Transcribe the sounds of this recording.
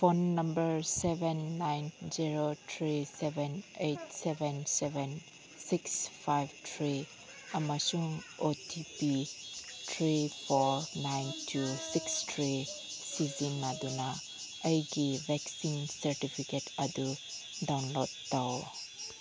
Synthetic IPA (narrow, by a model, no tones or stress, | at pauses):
pʰonːɐmbəɾsebenːajnziɾotʰɾisebenejtsebʱenseben | sikspʰajbtʰɾi | ɐmasuŋotʰipitʰɾipʰɔɾnajntʰusikstʰɾi | sizinːaduna | əjɡibʱɛksinsɐɾtipʰiketɐdu | dawnlodːaw